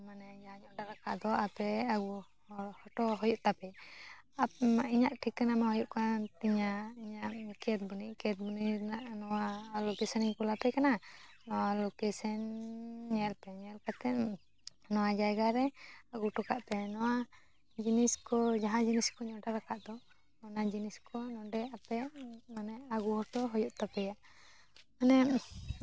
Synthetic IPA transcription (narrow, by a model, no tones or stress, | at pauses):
manɛd͡ʒaɦãɲɔʔɖaɾaka̰ʔd̪ɔapɛaɡu | hɔʈɔɦɔjuʔt̪apɛaiɲaʔʈʰikːanamahɔjuʔkat̪iɲaiɲaʔkɛt̪̚buniʔkɛt̪̚buninaʔnɔwalokɛsɛniɲkulapɛkana | nɔwalokɛsɛnɲɛlpɛɲɛlkat̪ɛ | nɔwad͡ʒajɡaɾɛaɡuʈɔkaʔpɛnɔwa | d͡ʒiniskɔd͡ʒaɦãd͡ʒiniskɔɲɔɖaɾakaʔd̪ɔ | ɔnad͡ʒiniskɔnɔɖɛapɛmanɛaɡuhɔʈɔɦɔjɔʔt̪apɛjaʔ | manɛ